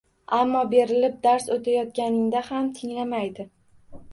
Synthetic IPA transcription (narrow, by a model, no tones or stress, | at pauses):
ʔamːɒbe̞ɾɪlɪp̚d̪aɾsot̪ʰajɒt̪̚kʲanɪŋd̪ahamt̪ʰɪŋlamajd̪ɪ